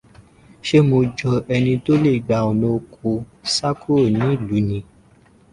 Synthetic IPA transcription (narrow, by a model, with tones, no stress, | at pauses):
ʃe˦mõ˧d͡ʒɔ˨ʔɛ˨nĩ˧d̪o˦le˦˨ɡ͡ba˨wo˨nõ˨kʰo˨ | sa˦kʰu˦o˨nĩ˦lu˨nĩ˨